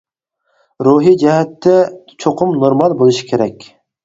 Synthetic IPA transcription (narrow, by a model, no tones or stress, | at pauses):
ɾuɦid͡ʒɛɦɛt̪ʰːɛ | t͡ʃʰoqʰʊmnoɾmɑlˠbolˠɨʃi̥kʲʰeɾɛkʲ